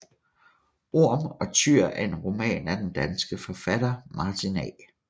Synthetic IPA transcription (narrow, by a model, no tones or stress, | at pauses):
o̝ɐ̰mɒ̽t͡sʰyɐ̰ʔæe̝nʁo̝mɛ̰ːnæɐd̥end̥ænsɡ̥əfɒfæd̥ɐmɑ̈ːt͡sʰinɛː